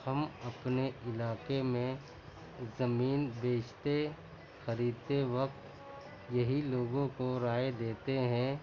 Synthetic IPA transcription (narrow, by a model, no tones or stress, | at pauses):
hɐmɐpneɪlaːkemẽ | zɐmiːnbeːt͡ʃt̪e | xɐɾiːd̪̚t̪eʋɐk̚t̪ | jɐɦiloːɡõkoɾaːed̪eːt̪eɦɛ̃ː